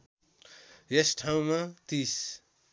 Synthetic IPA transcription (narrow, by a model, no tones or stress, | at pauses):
jesʈʰaw̃mat̪is